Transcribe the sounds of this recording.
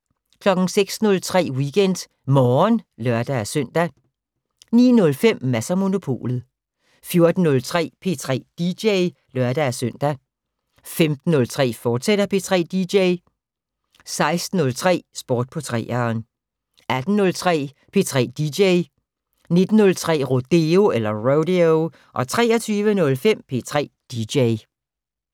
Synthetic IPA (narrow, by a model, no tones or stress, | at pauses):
kʰlɒ̽ɡ̥n̩seɡ̥snɔ̽lt͡sʰʁɛ̰ːwiɡ̥en̰d̥ | mɒːnlɶɐd̥ææsœn̰d̥æ | nḭːnɔ̽lfem̰mæsɐmo̝no̝pʰo̝̰ːlð̞̩ˠ | fjo̝ɐd̥n̩ːɔ̽lt͡sʰʁɛ̰ːpʰe̝t͡sʰʁɛ̰ːd̥ideɪ | lɶɐd̥ææsøn̰d̥æ | femd̥n̩ːɔ̽lt͡sʰʁɛ̰ːfɒ̥ːseɾ̥ɐpʰe̝t͡sʰʁɛ̰ːd̥ideɪ | sɑ̈ɪsd̥n̩ɔ̽lt͡sʰʁɛ̰ːsb̥oːd̥̚pʰɒ̽t͡sʰʁɛ̰ːɐːn | æd̥n̩nɔ̽lt͡sʰʁɛ̰ː | pʰe̝̰ːt͡sʰʁɛ̰ːd̥ideɪ | ne̝d̥n̩nɔ̽lt͡sʰʁɛ̰ːʁo̝d̥e̝o̝elɐʁoʊɾio | ʔɒ̽t͡sʰʁɛ̰ːɐɒt͡sʰyːʋənɔ̽lfem̰pʰe̝̰ːt͡sʰʁɛ̰ːd̥ideɪ